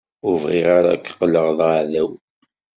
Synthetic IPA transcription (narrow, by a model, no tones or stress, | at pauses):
ʊvʁɪʁaɾa̰kːqːləʁðˤaʕðæw